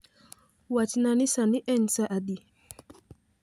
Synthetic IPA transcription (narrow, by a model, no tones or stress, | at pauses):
wat͡ʃinanisaniʔɛnsaʔadi